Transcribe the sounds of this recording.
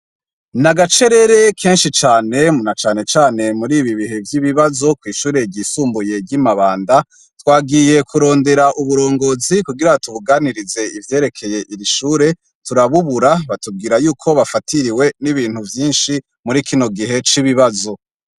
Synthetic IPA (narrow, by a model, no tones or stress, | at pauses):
naɡat͡ʃe̞ɾe̞ɾe̞kʰe̞ːnʃit͡ʃaːne̞mnat͡ʃaːne̞t͡ʃaːne̞muɾiːβiβiɦe̞vjiβiβazo̞kwiːʃuːɾe̞ɟisuːmbuje̞ɟimaβaːnda | twaːɡije̞kʰuɾo̞ːnde̞ɾaʔuβuɾo̞ːŋɡo̞ːzikuɡiɾatuβuɡaːniɾize̞ivje̞ːɾe̞kʰe̞je̞ʔiɾiʃuːɾe̞ | tuɾaβuβuɾaβatub̚ɡiːɾajuːkʰo̞βafatiɾiwe̞niβiːn̥huvjiːnʃi | muɾikʰino̞ɡiɦe̞t͡ʃiβiβazo